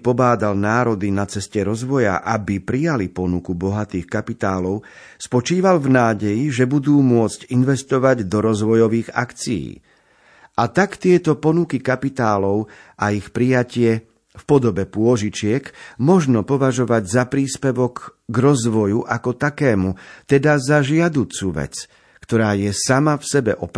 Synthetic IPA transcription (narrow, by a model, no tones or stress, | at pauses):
pɔbaːd̪alnaːɾɔd̪inat͡sɛscɛɾɔzʋɔja̰ʔabipɾijalipɔnukubɔɦat̪iːxkapit̪aːlɔʊ | spɔt͡ʃiːʋalvnaːɟɛjiʒɛbud̪uːmʊɔt͡scinʋɛst̪ɔʋaɟd̪ɔɾɔzʋɔjɔʋiːɣa̰kt͡sijḭː | ʔat̪akt̪ɪɛt̪ɔpɔnukikapit̪aːlɔʊʔaixpɾijacɪɛ | fpɔd̪ɔbɛpʊɔʒit͡ʃɪɛkmɔʒnɔpɔʋaʒɔʋaɟzapɾiːspɛʋɔkːɾɔzʋɔjuʔakɔt̪akɛːmut̪ɛd̪azaʒɪad̪uːt͡suʋɛ̰t͡s | kt̪ɔɾaːjɛsamafsɛbɛ̰ʔɔp